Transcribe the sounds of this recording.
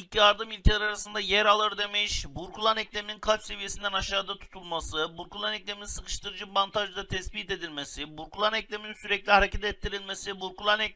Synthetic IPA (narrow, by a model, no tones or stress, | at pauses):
icjaɾd̪ɯmilʲcʰelʲæɾaɾasɯnd̪ajæɾalˠɯɾd̪emiʃbuɾkulˠanɛclʲemininkʰat͡ʃse̞vije̞sind̪ænaʃaːd̪at̪ʰu̥t̪ʰulˠmasɯbuɾkulˠanɛclʲemininsɯkʰɯ̥ʃt̪ʰɯɾɯd͡ʒɯmant̪ʰaʒɯd̪at̪ʰɛsbit̪e̞d̪ilʲmesibuɾkulˠanɛclʲemininsyɾɛclʲihaɾecʰɛt̪ɛt̪ʰːiɾilʲmesibuɾkulˠanɛ